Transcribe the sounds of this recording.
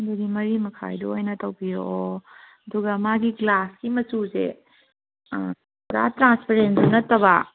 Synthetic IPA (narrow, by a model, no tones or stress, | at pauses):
nduɡimɐɾimɐkʰa̰jdoojnɐtɐwpijo̰ʔo | ɐduɡɐmaɡiɡlaskimɐtusḛ | tʰuɾa̰tɾanspʰeɾendumnɐtːɐbɐ